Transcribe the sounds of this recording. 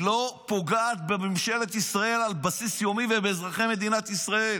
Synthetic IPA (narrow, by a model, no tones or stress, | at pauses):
lo̞po̞ɡaːt̪̚bememʃe̞le̞t̪isʁae̞lalbasisjo̞mivebeːzʁaχeme̞d̪inat̪isʁae̞l